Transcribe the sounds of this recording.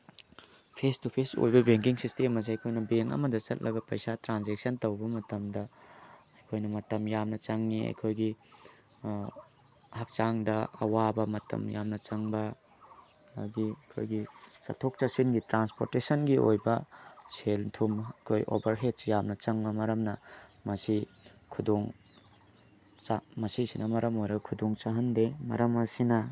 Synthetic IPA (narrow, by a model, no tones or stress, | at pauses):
pʰestupʰeso̰jbɐbeŋk̬iŋsistemɐziɐjkʰojnɐbeŋɐ̰mɐdɐt͡ʃɐt̚lʔɐɡɐpɐjsatɾanzek̚sɐntɐwbɐmɐtɐmdɐɐjkʰojnɐmɐtɐmjamnɐt͡ʃɐŋniɐ̰jkʰojɡi | hɐk̚t͡ʃaŋdɐɐ̰wabɐmɐtɐ̰mja̰mnɐt͡ʃɐŋbɐ | ɡikʰo̰jɡisɐ̰tʰok̚t͡ʃɐsinɡitɾanspoɾtesɐnɡiʔo̰jbɐseltʰumɐjkʰojʔo̰bɐɾɦet̚sjamnɐt͡ʃɐŋbɐmɐɾɐmnɐmɐsi | kʰudoŋ | t͡ʃamɐsisinɐmɐɾɐmojɾɐɡɐkʰudoŋt͡ʃaɦɐndemɐ̰ɾɐmɐsinɐ